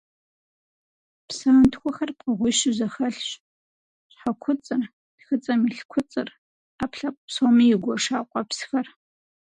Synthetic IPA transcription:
psaːntʰxʷɔxɐrpqɐʁʷʊʃɪzɐxɐɬɕ | ɕħakʷʰʊt͡sʼɨr | d̥xɨt͡sʼɐmiɬkʷʰʊt͡sʼɨr | aːpʰɬɐpʷʼpsomijɪɡʷɔʂaːqʷʼɑpsxɐr

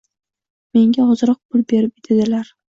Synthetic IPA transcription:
me̞ŋɡʲaɒzɾɒq̚pʰʊlbe̞ɾɪp̚ɪd̪ʰed̪ɪlaɾ

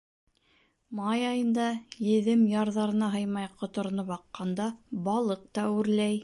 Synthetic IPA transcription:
mɑjɑjɤ̆nd̪ɑjɘ̆ðɘmjɑɾðɑɾɤ̆nɑɦɤjmɑjqŏt̪ŏɾ̆nɤpɑqːɑnd̪ɑbɑlˠɤq̚t̪ɑʉɾlæj

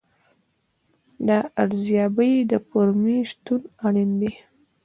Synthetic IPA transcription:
d̪əaɽzjɑbəjd̪əpoɾmiʃt̪unaɽind̪i

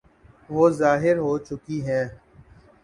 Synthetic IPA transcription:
ʋoːzaːɦɪɾɦoːt͡ʃʊkiːɦɛ̃ː

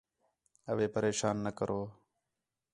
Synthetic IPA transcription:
əʋeːpəɾeːʃaːnːəkəɾʔoː

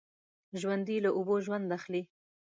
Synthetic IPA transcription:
ʒwand̪ilaʔuboʒwand̪axli

